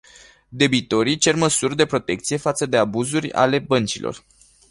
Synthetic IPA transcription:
d̪e̞bit̪o̞ɾit͡ʃe̞rməsurd̪e̞pɾo̞t̪e̞k̚t̪sije̞fat̪səd̪e̞abuzurʲa̰le̞bənt͡ʃilʔo̞̰r

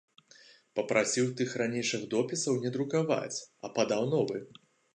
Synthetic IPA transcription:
pɐpɾʔasʲiwt̪ɨxranʲejʂɨɣd̪ɔpʲisɐwnʲɛd̪ɾukava̰t͡sʲɐpɐd̪awnɔvɨ

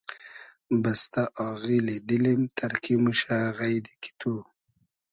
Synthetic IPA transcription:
bast̪aʔɑɣiled̪ilimt̪ʰaɾkʰimuʃaɣajd̪ikʰi̥t̪ʰu

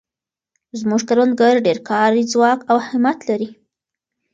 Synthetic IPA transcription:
zmuʒkaɾwand̪̚ɡaɾɖeɾkɑɾid͡zwɑkawhɪmat̪laɾi

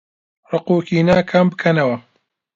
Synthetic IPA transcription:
rɨquːkiːnaːkʰɐmbɨkʰɐnɐwɐ

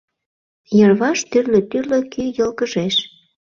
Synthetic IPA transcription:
jərβɑʃt̪yrløt̪yrløkyjəlkəʒeʃ

